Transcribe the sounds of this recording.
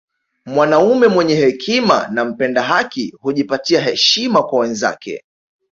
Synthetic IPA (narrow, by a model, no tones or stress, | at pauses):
mwanaumɛmwɛɲɛhɛkʰima̰nam̩pɛndaɦakihuʄipatiaɦɛʃimakwawɛnza̰kɛ̰